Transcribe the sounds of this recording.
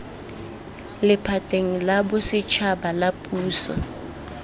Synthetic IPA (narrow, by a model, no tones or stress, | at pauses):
lɪpʰatʼeŋ̩labʊsɪt͡ʃʰabalapʼuːsɔ̰